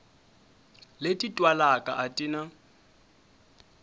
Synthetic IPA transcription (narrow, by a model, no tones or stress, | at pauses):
letʼitʼwalakʼa̰ʔatʼina